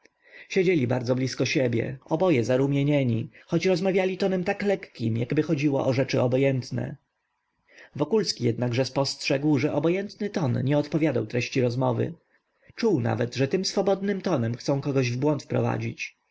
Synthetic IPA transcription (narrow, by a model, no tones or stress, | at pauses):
ɕed͡ʑelʲibaɾd̪zɔblʲiskɔɕebʲjɛ̰ɔbɔjɛzaɾumʲjeɲɛɲixɔt͡ɕɾɔzmavʲjalʲit̪ɔnɛmt̪aklɛkːʲimjaɡbɘxɔd͡ʑiwɔ̰ʔɔʐɛt͡ʂɘɔbɔjɛnt̪nɛ̰ | vɔkulskʲijɛd̪naɡʐɛspɔstʂɛɡwʐɛʔɔbɔjɛnt̪nɘt̪ɔnɲɛɔt̪pɔvʲjad̪awt̪ɾɛɕt͡ɕiɾɔzmɔvɘ̰ | t͡ʂuwna̰vɛt̪ʐɛt̪ɘmsfɔbɔd̪nɘmt̪ɔnɛmxt̪sɔ̃w̃kɔɡɔʑvbwɔnt̪fpɾɔ̰va̰d͡ʑit͡ɕ